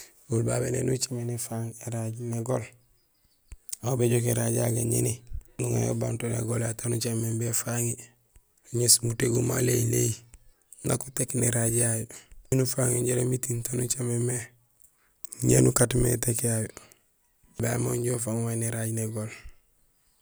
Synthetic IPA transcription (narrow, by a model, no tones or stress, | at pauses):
ulbabenḛnut͡ʃemenefaŋeɾaɟneɡol | aobeɟokeɾaɟaɡaɲḛninuŋa̰jo̰bantonḛɡolatanut͡ʃamːembefaŋi | uɲesmuteɡuma̰lḛile | na̰kutekneɾaɟjajonufaŋuɲɟeɾemitintonut͡ʃememe | ɲḛnukatmḛtekjajo | bamoɲɟofaːŋwajneɾaɟneɡol